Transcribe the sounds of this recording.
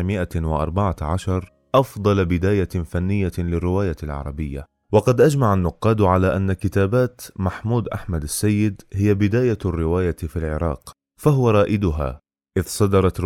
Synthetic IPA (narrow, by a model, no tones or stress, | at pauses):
mɪʔawɪʔɑ̰ɾˤbaʕaʕaʃɑɾˤ | ʔɑfd̪ˤɑlbɪd̪aːjafanːɪjːalɪrːɪwaːjalʕɑ̰ɾˤɑbɪjːa̰ | wɑqɑd̪ʔad͡ʒmaʕanːʊqːɑːd̪ʕalaːʔanːakɪt̪aːbaːt̪maħmuːd̪ʔaħmad̪asːajːɪd̪hɪjːabɪd̪aːjarːɪwaːjafilʕɪ̰ɾˤɑ̰ːq | faɦʊwaɾˤɑːʔɪd̪ʊɦa̰ː | ʔɪðsˤɑd̪ɑɾˤɑt̪